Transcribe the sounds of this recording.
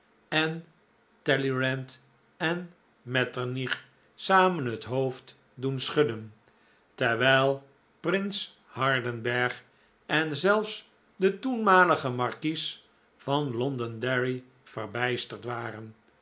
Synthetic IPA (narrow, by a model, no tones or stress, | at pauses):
ɛn | tɛliɹɛnt | ɛn | mɛtəɹniχ | saːmənɦətɦowft | dunsχɵdən | tɛɹʋɛjlˠ | prɪns | hɑɹdənbɛɹχ | ʔɛnzɛlˠfs | dətunmaːləχəmɑɹkis | v̥ɑnlɔndəndɛɹi | v̥ərbɛjstəɹtʋaːrən